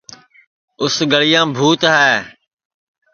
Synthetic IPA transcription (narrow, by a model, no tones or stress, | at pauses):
ʊsɡəɭɪjãːbʱuːt̪ɦɛː